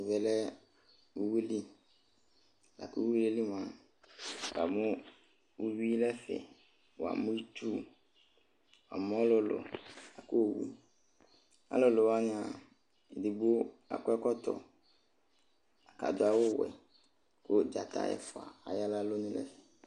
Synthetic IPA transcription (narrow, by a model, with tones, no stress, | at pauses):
vɛ˨lɛ˦ | wu˦˨wi˦li˦˨ | la̰˨ku˦i˦li˦li˦mã˨ | wa˨mʊ̃˦ | wu˦wi˦lɛ˦fɛ̰˨ | wa̰˨mʊ̃˦i˦t̪u˦ | wa̰˨mʊ̃˦a˦lʊ˦lʊ̰˨a˨ko˦˨wḭ˦ | a̰˨lʊ˦lʊ˨wa˦n˨a˨ | dɪ˨bo˦ | a̰˨kɛ˦kɔ˦t̪ɔ̰˨ | a˨ka̰˨d̪ʊ˦a˨wʊ˦˨wɛ̰˨ | ko˦d͡ʒa˨t̪ʰa̰˦jɛ̰˨fʊ˨a̰˨a˨ja˦la˦lo˦nʊ̃˦lɛ̰˦fɛ̥˨